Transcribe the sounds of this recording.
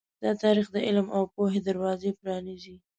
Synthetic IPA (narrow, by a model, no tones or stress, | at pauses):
d̪̥ɑt̪ɑɾixd̪əʔɪlmawpoɦed̪aɾwɑzepɾɑnizi